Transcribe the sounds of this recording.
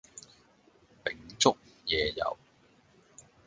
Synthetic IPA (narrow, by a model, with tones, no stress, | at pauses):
pɪ˨˩ŋt͡sʊ˥k̚jɛː˨jɐ̰˨w